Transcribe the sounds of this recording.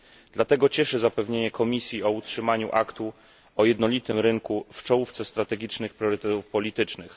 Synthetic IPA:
d̪lat̪ɛɡɔt͡ɕɛʂɘzapɛvɲeɲɛkʰɔmʲisʲjiɔutʂɘmaɲṵʔakt̪u | ɔjɛd̪nɔlʲit̪ɘmɾɘŋkuft͡ʂɔwuft̪sɛst̪ɾat̪ɛɡʲit͡ʂnɘxpɾjɔɾɘt̪ɛt̪ufpɔlʲit̪ɘt͡ʂnɘx

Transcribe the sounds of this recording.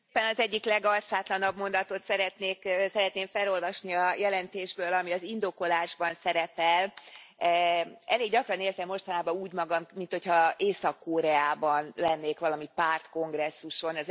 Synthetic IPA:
pːɛnɒzɛɟːiklɛɡɒlsaːt̪lɒnɒbmo̞nd̪ɒt̪o̞t̪sɛɾɛt̪neːksɛɾɛt̪neːmfɛlo̞lvɒʃniɒjɛlɛnt̪eːʒbøːlɒmiɒzind̪o̞ko̞laːʒbɒnsɛɾɛpɛl | ɛleːɡɟɒkrɒneːrzɛmːo̞ʃt̪ɒnaːbɒuːɟmɒɡɒmːint̪ho̞chɒeːsɒkːoːɾɛaːbɒnlɛnːeːkʋɒlɒmipaːrt̪ko̞ŋɡrɛsːuʃo̞nɒz

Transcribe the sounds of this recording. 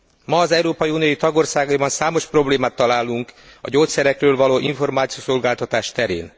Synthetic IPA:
mɒːzɛuɾoːpɒjiuːnijojit̪ɒɡo̞rsaːɡɒibɒnsaːmo̞ʃpro̞bleːmaːt̪ːɒlaːluŋkɒ̰ɟoːt̪sɛɾɛkrøːlvɒloːʔiɱfo̞rmaːt̪sijoso̞lɡaːlt̪ɒt̪aːʃt̪ɛɾḛːn

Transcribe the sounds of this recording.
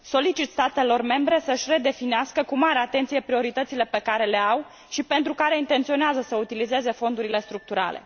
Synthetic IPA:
so̞lit͡ʃit̪st̪at̪e̞lo̞rme̞mbɾe̞səʃʲre̞d̪e̞finieaskəkumaɾeat̪e̞nt̪sije̞pɾio̞ɾit̪ət̪sile̞pe̞kaɾe̞le̞aw | ʃipe̞nt̪ɾukaɾe̞int̪e̞nt̪sio̞neazəsəut̪ilize̞ze̞fo̞nd̪uɾile̞st̪ɾuk̚t̪uɾa̰le̞̰

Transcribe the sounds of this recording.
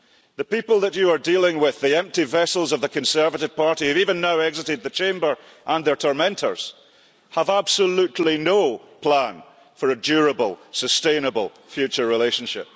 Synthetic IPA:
ðəpipəlˠðət͡ʃəə˞dilˠɪ̃ŋwɪðiɛ̃mp̚tivɛsəl̩ˠzʌvðəkʰə̃nsɜ˞vəʔɪv̥pʰaɹʔihɨvivə̃nːaʊɛɡzɪʔɪd̪̚ðət͡ʃʰẽmbə˞ | ʔə̃nðə˞tʰɔɹmɛ̃ntʰə̰˞z̥ | əvab̥səlˠʉʔˡl̩ˠinopʰl̥ãn | fə˞əd͡ʒʉɹəbəlˠsəstẽnəbəl̩ˠ | fjʉt͡ʃə˞ɹɪlˠeʃə̃nʃɪ̰p̚

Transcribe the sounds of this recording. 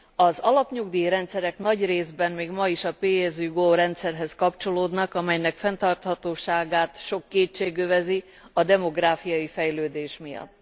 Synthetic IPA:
ɒzɒlɒpɲuɡd̪iːɾɛnt̪sɛɾɛkn̪ɒɟreːzbɛnmeːɡmɒiʃɒpeːjɛzyɡoːɾɛnt̪sɛrɦɛskɒpt͡ʃo̞loːd̪nɒkɒmɛjnɛkfɛnt̪ɒrt̪hɒt̪oːʃaːɡaːt̪ʃo̞kːeːt͡ʃːeːɡøvɛzi | ɒd̪ɛmo̞ɡraːfijɒjifɛjløːd̪eːʃmijɒ̰t̪ː

